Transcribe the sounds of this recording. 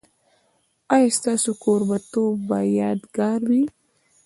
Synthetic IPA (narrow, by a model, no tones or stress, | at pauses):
ajast̪aːsukoɾbat̪obajaːd̪ɡaɾwi